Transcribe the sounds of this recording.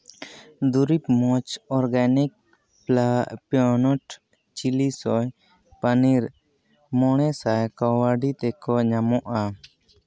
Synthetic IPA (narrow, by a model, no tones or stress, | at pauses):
d̪uɾipmɔt͡ʃɔɾɡanik̚ | plaʔpjɔnɔʈ | t͡ʃilisɔj | paniɾ | mɔɽ̃ɛsajkɔwaɖit̪ɛkɔɲamɔʔa